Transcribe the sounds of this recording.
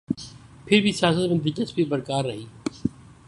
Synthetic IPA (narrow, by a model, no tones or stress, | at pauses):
pʰɪɾbʱisjaːsət̪mə̃nd̪ɪkəspibɐɾkaːɾːɐɦiː